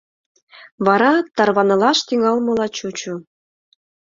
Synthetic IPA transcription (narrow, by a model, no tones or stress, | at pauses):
βɑɾɑt̪ɑrβɑnɤ̆lɑʃt̪iŋɑlmɤ̆lɑt͡ɕut͡ɕu